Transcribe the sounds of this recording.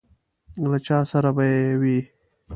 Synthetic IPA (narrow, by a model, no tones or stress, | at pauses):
lat͡ʃaːsaɾabajewi